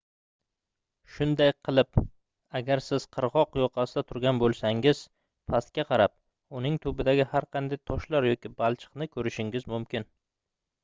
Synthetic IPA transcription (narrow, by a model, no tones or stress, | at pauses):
ʃʊnd̪ajqʰɨlˠɪp | aɡʲaɾsɪz̥qʰɨɾʁɒqjɒqʰɑsɪd̪at̪ʰʊɾɡʲanbolˠsaŋɪz̥ | pʰast̪̚kʲaqʰɑɾap̚ | ʊnɪŋt̪ʰɵbɪd̪aɡʲɪhaɾqʰɑnd̪ajt̪ʰɒʃlaɾjɒkʲɪbalˠt͡ʃʰɨ̥qnɪkʰɵɾɪʃɪŋʲɪzmʊmkʲʰɪn